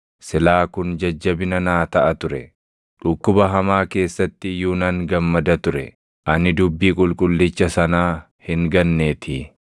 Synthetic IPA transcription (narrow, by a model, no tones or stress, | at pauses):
sɪlaːkʊnd͡ʒɐd͡ʒːɐbɪnɐnaːt̪ɐʔɐt̪ʊɾɛ | ᶑʊkːʊbɐɦɐmaːke̞ːsːɐt̪ːɪjuːnaŋɡɐmːɐd̪ɐt̪ʊɾɛ̰ | ʔɐnɪd̪ʊbːiːkʼʊlkʼʊlːɪt͡ʃːɐsɐnaː | hɪŋɡɐnːe̞ːt̪ʰɪ